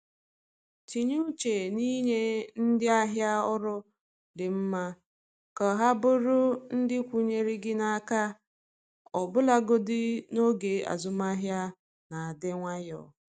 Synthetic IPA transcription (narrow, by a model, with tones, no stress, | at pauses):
ti˨ɲu˦t͡ʃe˨ni˦ɲe˦n̩˦dɪ˦a˦ɦja˦ʊ˦ɾʊ˦ | dɪ˨m̩˦ma˦ | kɔ˨ɦa˦bʊ˦ɾʊ˦n̩˦dɪ˦kʷu˦ɲe˦ɾi˦ɡɪ˦na˨a˦˨ka˦ | ɔ˨bʊ˦la˦ɡo˦dɪ˦no˦ɡe˨a̰˨zʊ˨ma˦ɦja˦ | na˨a˨de˦ŋʷa˦jɔ̰˨